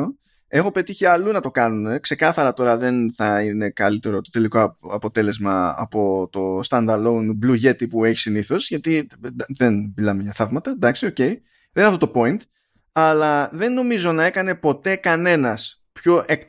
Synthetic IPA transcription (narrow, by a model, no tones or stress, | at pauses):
e̞xo̞pe̞t̪içiɐlunɐt̪o̞kɐnune̞kse̞kɐθɐɾɐt̪o̞ɾɐðe̞nθɐine̞kɐlit̪e̞ɾo̞t̪ot̪e̞likoɐpo̞t̪e̞le̞zmɐɐ̰po̞t̪o̞st̪ɐnd̪ɐlounbluʝe̞t̪ipue̞çi̥siniθo̞z̥ʝɐt̪id̪ðenmilɐmeʝɐθɐvmɐt̪ɐnd̪ɐksio̞ce̞i | ðeninːɐft̪ot̪opo̞int̪ | ɐlɐðe̞nːo̞mizo̞nɐe̞kɐne̞po̞t̪e̞kɐne̞nɐs | pço̞ʔek̪